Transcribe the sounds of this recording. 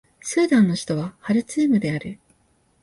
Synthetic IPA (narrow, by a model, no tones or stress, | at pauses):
sɨːd̪ãnːo̞çi̥t̪o̞β̞ahaɾɯ̟t͡siːmɯ̟d̪e̞aɾɯ̟